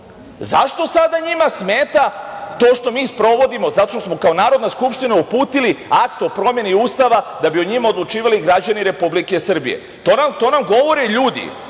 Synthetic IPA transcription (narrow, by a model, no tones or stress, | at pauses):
zaʃt̪o̞sad̪aɲimasmeːt̪at̪o̞ːʃt̪o̞miːspɾo̞ʋo̞d̪imo̞zat̪oʃt̪osmo̞kao̞naːɾo̞d̪naskupʃt̪inaupuːt̪iliakt̪o̞pɾo̞mje̞niuːst̪aʋad̪abioɲimao̞d̪lˠut͡ʃiːʋaliɡɾad͡ʑaniɾe̞publike̞sr̩bḭje̞̰ | t̪onat̪o̞ːnamɡo̞ʋo̞ɾeʎuːd̪ḭ